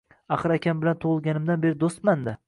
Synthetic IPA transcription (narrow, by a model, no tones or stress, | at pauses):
aχɨɾakʲʰambɪlant̪ʰoʁɨlˠɡʲanɪmd̪anbe̞ɾɪd̪ost̪mand̪ɪ